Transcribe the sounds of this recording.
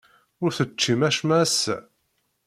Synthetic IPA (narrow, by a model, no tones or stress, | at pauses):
ʊɾθət͡ʃːimæʃmæs